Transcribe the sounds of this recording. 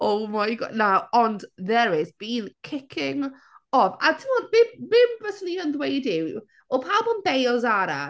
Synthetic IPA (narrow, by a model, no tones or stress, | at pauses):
owmajɡɔ̰naɔndðɛɾɪzb̥iːnkʰɪkʰɪŋ | ɔvatʰɪmɔdvɪmvɪmbɛsniənðwejdɪw | ɔpʰaːlˠbɔnbejɔzaɾa